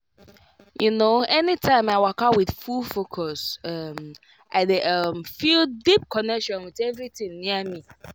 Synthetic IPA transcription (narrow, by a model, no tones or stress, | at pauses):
junoɛnitʰãɪ̃maɪwakawɪð̥fulfokʰɔsʌm | ʔaɪdeʔʌmfildip̚kʰɔnɛkʃɔ̃nwɪðɛvɾitĩŋniami